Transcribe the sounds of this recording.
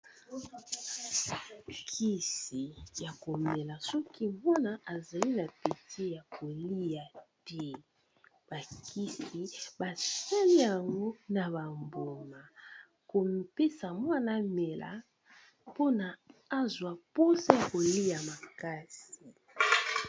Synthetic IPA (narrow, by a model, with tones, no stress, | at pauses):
kʰi˦si˨ja˨ko˨me˨la˨sɔ˦ki˦mwa˦na˦ʔa˨za˨li˦na˨pi˨te˦ja˨ko˨li˦ja˨tɛ˦ | b̥a˨kʰi˦si˨ba˨sa˦li˦ja˨ŋɡo˦na˨βa˨mbo˨ma˨ | ko˨pe˦sa˨mwa˦na˨˦me˨la̰˨ | po˦naː˨˦zwa˨po˦sa˦ja˨ko˨li˦ja˨ma˨ka˦si˨